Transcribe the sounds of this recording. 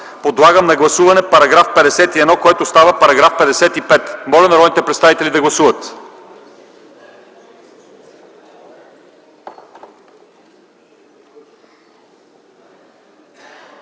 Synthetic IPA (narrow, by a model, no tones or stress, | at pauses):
pod̪lˠaɡəmnɐɡlˠɐsuvɐnɛpɐɾɐɡɾafpɛd̪ɛsɛt̪iɛd̪nɔkoɛt̪ost̪avəpɐɾɐɡɾafpɛd̪ɛsɛt̪ipɛt̪mɔlɛnɾɔd̪nit̪ɛpɾɛt̪st̪avit̪ɛlʲid̪ɐɡlˠɐsuvət̪